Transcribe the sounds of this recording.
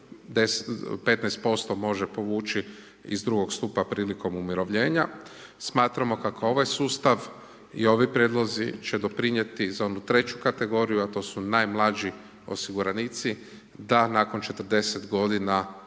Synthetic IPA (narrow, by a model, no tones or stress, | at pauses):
d̪espe̞t̪nɛjst̪̚po̞st̪o̞mo̞ʒe̞po̞ʋuːt͡ʃi | ḭzd̪ɾuɡo̞ɡst̪upapɾiːliko̞mumiɾo̞ʋʎe̞ːɲasmaːt̪ɾamo̞kakoo̞ʋajsuːst̪aʋ | ḭo̞ʋipɾjed̪lˠo̞zit͡ʃe̞d̪o̞pɾiɲje̞t̪izaonut̪ɾe̞t͡ɕukat̪e̞ɡo̞ɾijuat̪o̞ːsunajmlˠad͡ʒi | o̞̰siɡuɾanit̪si | d̪anaːkont͡ʃe̞t̪əɾ̩d̪e̞se̞t̪ɡo̞d̪ina